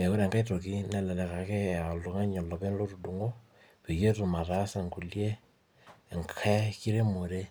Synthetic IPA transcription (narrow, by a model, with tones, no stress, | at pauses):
e˨ko˦ɾa˨ŋɡa˦i˦to˨ki˦nɛ˦˨lɛ˨lɛ˨ka˨ke˦a˨lo˨ŋa˦ɲɔ˨lɔ˨βe˦nlo˦ɾu˨du˨ŋo˦ | pe˨je˦tu˨ma˨ɾa˦sa˨ŋɡu˨lje˦˨ | ŋkʰɛ˦ki˦ɾe˦mo˨ɾe˦